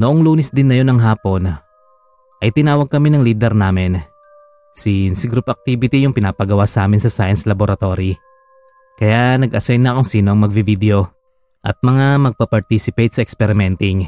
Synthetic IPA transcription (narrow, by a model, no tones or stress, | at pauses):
noʔoŋluːnɛsd̪ɪnːɐjo̞nɐŋɦaːpo̞n | ʔɐjt̪ɪnaːwɐɡ̚kːɐminɐŋliːd̪ɛɾnaːmɪn | sinsɪɡɾupɐk̚t̪iːbɪt̪ijʊŋpɪnaːpɐɡɐwasɐʔaːmɪnsɐsajɐnslɐboɾɐt̪o̞ɾi | kɐjanɐɡʔɐsɛjnnɐkʊŋsiːno̞ʔɐŋmɐɡ̚vivid̪ɛo̞ | ʔɐ̰t̪̚mɐŋamɐɡ̚pɐpɐɾt̪isɪpejt̪̚sɐʔɛkspɛɾɪmɛnt̪ɪŋ